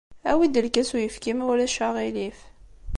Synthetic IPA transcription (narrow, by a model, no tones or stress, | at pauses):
æwid̪əlkæsujəfkimwlæʃaʁilif